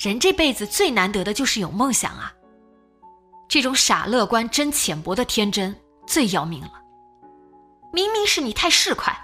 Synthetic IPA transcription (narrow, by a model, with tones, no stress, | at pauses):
ɻə˧˥nʈ͡ʂe˥˧pe˥˩ɪd͡zɹ̩˩t͡swe˥˩ɪna˧˥nt̪ɤ˧˥d̪ə˧t͡ɕjo˥˧ʊʂɻ̩˥˩jo˨˩ʊmɤ˥˩ŋɕjɑ̰˨˩ŋɐ̰˦ | ʈ͡ʂɤ˥˩ʈ͡ʂʊ˧˥ŋʂa̰˨˩lɤ˥˩kwa˥nʈ͡ʂə˥nt͡ɕʰjɛ˨˩npwɔ˧˥d̪ə˧t̪ʰjɛ˥nʈ͡ʂə˥n | t͡swe˥˩ɪjɑ˥ʊmḭ˧˥ŋlə˧ | mi˧˥ŋmi˧˥ŋʂɻ̩˥˩ni˨˩t̪ʰa˥˧ɪʂɻ̩˥˧kʰwa̰˥˩ɪ